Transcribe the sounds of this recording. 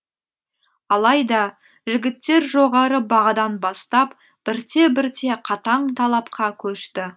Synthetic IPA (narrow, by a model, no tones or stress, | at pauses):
ɑlˠɑjd̪ɑ | ʒɪɡʲɪt̪ːe̞ɾʒo̞ʁɑɾəbɑʁɑd̪ɑnbɑst̪ɑp | b̥ɪɾt̪e̞bɪɾt̪ʰe̞qʰɑt̪ɑɴt̪ʰɑlˠɑp̚qɑkʲʰɵʃt̪ɪ